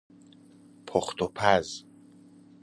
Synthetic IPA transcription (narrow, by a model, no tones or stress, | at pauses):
pʰɔχt̪ʰɔpʰaz